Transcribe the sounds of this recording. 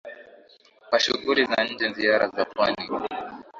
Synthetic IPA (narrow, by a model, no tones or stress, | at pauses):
kwaʃuɣulizaɲ̩d͡ʒɛnziaɾazapwani